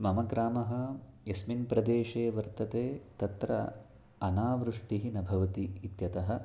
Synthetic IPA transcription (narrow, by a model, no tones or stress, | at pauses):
mɐmɐɡɾaːmɐɦɐ̆jɐsminpɾɐd̪eːʂeːʋɐɾt̪ɐt̪eːt̪ɐt̪ɾɐ̰ | ɐnaːʋɾuʂʈiɦinɐbʱɐʋɐt̪iːt̪jɐt̪ɐɦɐ̆